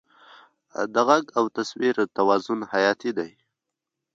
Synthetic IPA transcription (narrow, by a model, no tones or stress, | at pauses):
d̪əɣaɡawt̪aswiɾt̪awɑzʊnhajɑt̪id̪aj